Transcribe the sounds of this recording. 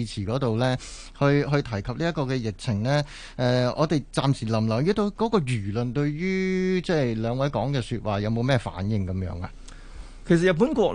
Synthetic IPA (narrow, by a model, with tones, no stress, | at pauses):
t͡sʰiː˨˩kɔː˨˥t̪o˨wlɛː˥ | hɵ˧ɥɦɵ˧ɥt̪ʰɐ˨˩jkʰɐ˨p̚liː˥ɐ˥t̚kɔː˧kɛː˧jɪ˨k̚t͡sʰɪ˨˩ŋlɛː˥ | ʔɛː˨˧ɔ̰ː˨˧t̪e˨jt͡saː˧msiː˨˩lɐ˨˩mlɐ˨˩jyː˧t̪o˧wkɔː˨˥kɔː˧ɥyː˨˩lɵ˨˩nt̪ɵ˧ɥɥyː˥t͡sɛː˥˩lœː˨˧ŋwɐ˨˥jkɔː˨˥ŋkɛː˧syː˧t̚waː˨jɐ˨˧wmo˨˧wmɛː˥fa̰ː˨˥njɪ˨ŋkɐ˨˥mjœ̰ː˨˥ŋa˧ | kʰe˨˩sɐ˨t̚ɐ˨tp̬uː˨˥nkʷɔː˧k̚